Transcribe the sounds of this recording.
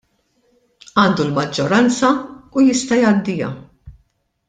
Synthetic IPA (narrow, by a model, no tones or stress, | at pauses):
ɐːnd̪ulmɐd͡ʒːɔɾɐnt͡sɐujɪst̪ɐjɐd̪ːɪjɐ̰